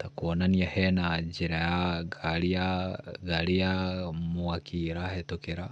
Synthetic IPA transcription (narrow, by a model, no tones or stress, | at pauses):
t̪akonaniehɛnad͡ʒiɾajaɡaɾiaɡalijamuakʰiɾahetokeɾa